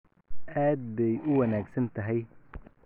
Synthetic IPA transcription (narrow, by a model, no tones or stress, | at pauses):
ʔaːd̪̚bɛjʊwɐnaːɡsɐnt̪ʰɐɦɛj